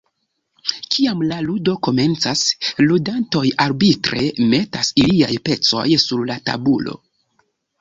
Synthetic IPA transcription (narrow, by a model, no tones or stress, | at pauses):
kʰiamlaludo̞ko̞me̞nt͡sasludanto̞jaɾbitɾe̞̰me̞tasiliajpe̞t͡so̞̰jsuɾlata̰bulo̞̰